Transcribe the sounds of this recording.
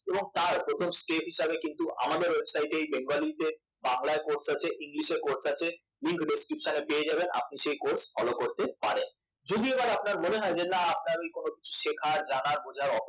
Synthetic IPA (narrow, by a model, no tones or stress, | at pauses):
eboŋt̪aɾpɾot̪ʰomskepɦiʃabekint̪uʔa̰mad̪eɾwebsajʈejbeŋɡolit̪e | baŋlaekoɾsat͡ɕʰeʔiŋliʃeɾkoɾsat͡ɕʰe | liŋkɖeskɾipʃanepeed͡ʑabena̰p̚niʃejkoɾsfɔlokoɾt̪epaɾen | d͡ʑod̪iebaɾapnaɾmoneɦɔet͡ɕʰenːaap̚naɾmikonoki̥t͡ɕʰu̥ʃekʰaɾd͡ʑanaɾbod͡ʑʱaɾɔt̪